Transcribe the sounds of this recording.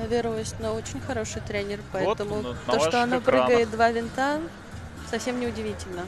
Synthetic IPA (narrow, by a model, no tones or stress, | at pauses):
vʲɪɾoɪsʲnoot͡ɕɪnʲxɐɾo̞ʂɨjt̪ɾʲenʲɪrpɐɛt̪əmʊt̪oʂoɐnopɾɨɡʲəɪt̪̚d̪vavʲɪnt̪a | sɐfsʲe̞mnʲɪʊdʲɪvʲitʲɪlʲnə